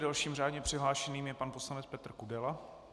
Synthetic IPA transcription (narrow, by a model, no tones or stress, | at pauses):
dalʃiːmraːdɲɛpr̥ɪɦlaːʃɛniːmjɛpanposlanɛt͡spɛt̪r̩kudɛla